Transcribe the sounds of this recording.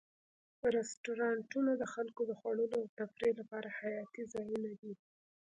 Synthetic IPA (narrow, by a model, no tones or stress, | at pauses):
ɾɪsʈoɾɑɳʈunad̪əxalkod̪əxwaɽəloawt̪apɾelapɑɾahajɑt̪izɑjunad̪i